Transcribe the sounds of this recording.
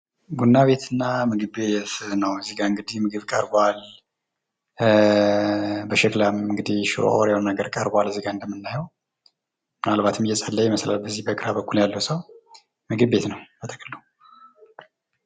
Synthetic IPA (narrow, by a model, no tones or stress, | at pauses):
ɡunːaβe̞t̪ʰɨnːamɨɡɨbe̞t̪nəwɨzːiɡaɨŋɡɨd̪ihmɨɡɨβkʼə̰ɾbal | bəʃɛklamɨŋɡɨd̪ihʃɾo̰o̰ɾjwonnaɡəɾkʼəɾbalɨziɡaɨnd̪əmːɨnːajəw | mɨnalbat̪ʰɨmjɛsʼalːəjɛməsla̰lbəzːihbəɡʼɨɾabəkʰʷːuljalːəwsəw | mɨɡɨbbet̪nəwbət̪ʰəkʼəlːu